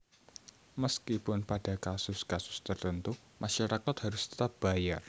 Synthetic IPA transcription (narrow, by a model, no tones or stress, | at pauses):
məskipʊnpad̥a̤kasʊskasʊ̥st̪ərt̪ənt̪u | maʃaɾakat̪haɾʊst̪ə̥t̪ap̚b̥a̤jar